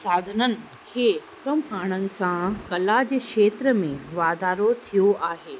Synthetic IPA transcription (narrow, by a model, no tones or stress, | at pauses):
saːd̪ʱənən | kʰe | k̪əmɦaːɽ̃ə̃nsãkɐlaːd͡ʑəkʂeːt̪ɾəmẽʋaːd̪aːɾot̪ʰijoʔaːɦeː